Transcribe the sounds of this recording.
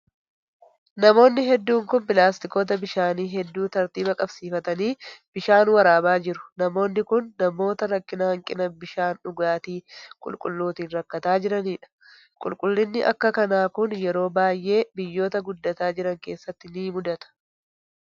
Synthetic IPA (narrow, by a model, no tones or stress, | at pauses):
nɐmo̞ːnːɪɦɛd̪ːuːŋkʊnpɪlaːst̪ɪko̞ːt̪̬ɐbɪʃaːniːɦɛd̪ːuːt̪ɐɾt̪iːbɐkʼɐbsiːfɐt̪ɐniːb̥ɪʃaːnwɐɾaːbaːd͡ʒɪɾʊ̥nɐmo̞ːnːɪkʊnːɐmo̞ːt̪ɐɾɐkʼːɪnɐhɐŋkʼɪnɐbɪʃaːnʊɡaːt̪iːkʼʊ̰lkʼʊ̰lːuːt̪iːnɾɐkːɐt̪aːd͡ʒɪɾɐniːᶑɐ̥ | kʼʊlkʼʊlːɪnːɪʔɐ̰kːɐkɐnaːkʊnjɛɾo̞ːbaːjʔe̞ːbɪjːo̞ːt̪ɐɡʊd̪ːɐt̪aːd͡ʒɪɾɐŋke̞ːsːɐt̪ːɪniːmʊd̪ɐt̪ɐ̥